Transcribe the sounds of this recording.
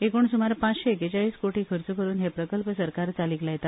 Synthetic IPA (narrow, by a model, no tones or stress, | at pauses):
ekoːɳsumaɾpãt͡sɕeeket͡ɕaɭiːskoʈiːkʰəɾt͡sukəɾuːnɦepɾəkəlpəsəɾkaɾt͡saliːklajt̪at̪